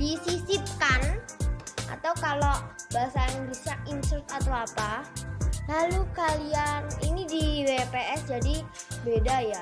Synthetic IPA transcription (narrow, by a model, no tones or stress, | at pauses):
disisip̚kan | ʔa̰t̪awkalobaasaiŋɡisainsʊt̪̚at̪awapa | lalukalianinidiwepeʔɛsd͡ʒadibedaja